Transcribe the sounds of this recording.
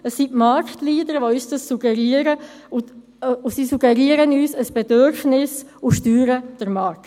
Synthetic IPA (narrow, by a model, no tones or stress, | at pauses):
əsːitmaɾktliːdəɾʋoyːsd̥əsːuɡ̥ɛɾiːɾə | usisuɡ̥ɛɾiəɾənyːsəsb̥ɛdøɾfnɪsʊʃtyːɾəd̥əɾmɑɾkt